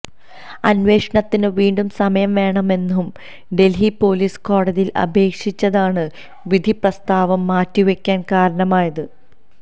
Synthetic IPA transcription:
ɐnʋe̞ːʂɐɳɐt̪ːinɨʋiːɳɖumsɐmɐjɐmʋe̞ːɳɐme̞nːuum | ɖe̞lɦipo̞ːliːsko̞ːɽɐðijilɐ̰bʱe̞ːkʂit͡ɕːɐðaːɳɨ | ʋid̪ʱiprɐst̪aːʋɐmːaːtːiʋekʲːaːnkaːɾɐɳɐmaːjɐðɨ

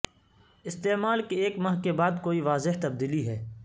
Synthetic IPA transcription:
ɪst̪eːmaːlkieːkmɐɦkebaːd̪koːiʋaːzɪɦt̪ɐb̚d̪iːliɦɛː

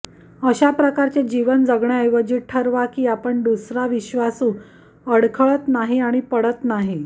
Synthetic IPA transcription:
əɕapɾəkaɾt͡ɕed͡ʑiʋənd͡zəɡɳjaəjʋəd͡ʑiːʈʰəɾʋakiːapəɳd̪usɾaʋiɕʋasũː | əɽkʰəɭət̪naɦiaɽ̃ipəɽət̪naɦi

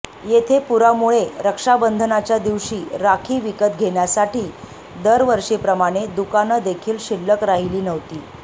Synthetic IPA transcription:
jet̪ʰepuɾamuɭeɾəkʂabənd̪ʱənat͡ɕjad̪iʋʂiːɾakʰiːʋikət̪̚ɡʱeɳjasaʈiː | d̪əɾʋəɾʂiːpɾəmaɽ̃ed̪ukanəd̪ekʰiːlɕilːəkɾaɦiliːnəʋt̪iː

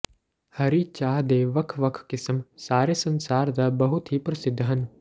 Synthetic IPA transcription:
hɐɾit͡ʃaːɦd̪eːʋɐkʰʋɐkʰkɪsəmsaːɾesɐ̃nsaːɾd̪ɐbɐɦut̪ɦipɾɐsɪd̪ʱːɦɐn

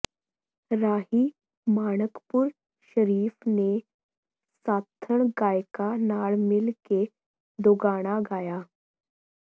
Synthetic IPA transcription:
ɾaːɦi | maːɽ̃əkpuɾ | ʃəɾiːfne | saːt̪ʰːəɽ̃ɡaːjkanaːɭmɪlke | d̪oɡaːɽ̃aɡaːjaː

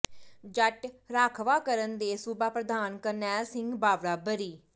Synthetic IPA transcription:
d͡ʒəʈɾaːkʰʋaːkəɾənd̪eːsʊbaːpɾəd̪aːnkənɛːsɪ̃ŋɡbaːʋɾaːbəɾiː

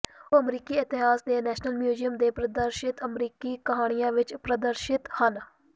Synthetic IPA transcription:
oːəmɾiːkiːɪt̪ɪɦaːsd̪eːnɛːʃnəlmjuːzijəmd̪eːpɾəd̪əɾʃɪt̪əmɾiːkiːkəɦaːɽ̃ɪjãːʋɪt͡ʃpɾəd̪əɾʃɪt̪hən

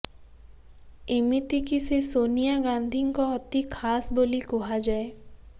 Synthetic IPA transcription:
ɪmit̪ikisesoːnijaɡãːnd̪ʱĩkoɔt̪ikʰaːsboːlikoɦad͡ʒaːe

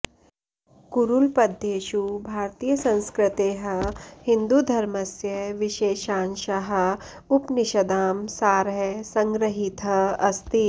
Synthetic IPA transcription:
kuɾulpɐd̪ʱeːʃubʱaːɾt̪iːjəsɐ̃nskɾɪt̪eːɦɐ̆hɪ̃nd̪ud̪ʱɐɾmɐsjɐʋɪʃeːʃãːnʃɐɦɐ̆ | ʊpnɪʃɐd̪aːmsaːɾɦesɐ̃ŋɡɾəɦit̪ɦɐɐst̪i

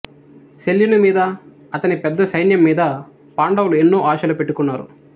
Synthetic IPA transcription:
seljunumiːd̪ɐ | ɐt̪ɐnipɛd̪ːɐsɐjnjɐmːiːd̪ɐ | paːɳɖɐwluenːo̞ːʔaːʃɐlupe̞ʈːukunːaːɾṵ

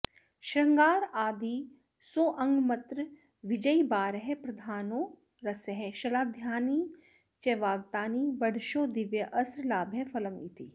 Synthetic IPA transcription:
ʃɾɐ̃ŋɡaːɾaːd̪i | soːʔɐ̃ŋɡmɐt̪ɾ | ʋɪd͡ʒəibaːɾɦɛpɾɐd̪ʱaːnoː | ɾɐsɦɛʃɐlaːd̪ʱjaːniː | t͡ʃɛʋaːɡt̪aːniːbɐɽʃoːd̪ɪʋjɐʔɐsɾlaːbʱɐfɐləmḭt̪ʰi

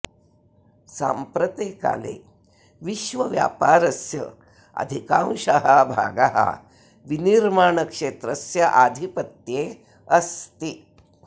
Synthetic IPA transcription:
sa̰ːmpɾɐt̪eːka̰ːlḛː | ʋiʃʋɐʋja̰ːpaːɾɐsjɐ̰ | ɐ̰d̪ʱikãwʃaɦɐbʱa̰ːɡaɦɐ̰ | ʋiniɾmaːɳɐkʂeːt̪ɾɐsjɐʔad̪ʱipɐt̪jeː | ɐst̪i

